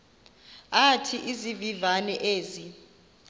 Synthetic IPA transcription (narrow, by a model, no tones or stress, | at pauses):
atʰiʔizivivanɛʔeːzi